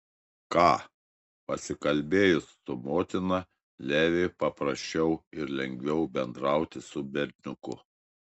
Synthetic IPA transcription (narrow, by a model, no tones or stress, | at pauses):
kɑː | pɐsʲɪkɐlʲbʲeːjʊsːʊmoːt̪ʲɪnɐ | lʲæːʋʲepɐpɾɐʃʲt͡ʃʲɛʊɪɾlʲɛŋʲɡʲʋʲɛʊbʲɛnd̪ɾɑˑʊt̪ʲɪsʊbʲɛɾʲnʲʊkʊ